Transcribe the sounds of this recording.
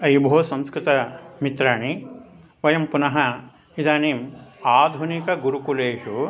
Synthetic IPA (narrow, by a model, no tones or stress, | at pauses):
ɐjbʱoːsɐ̃mskɾɪt̪ɐmit̪ɾaːɳi | ʋɐjɐmpunɐɦɐ | id̪aːniːmaːd̪ʱunikɐɡuɾukuleːʂu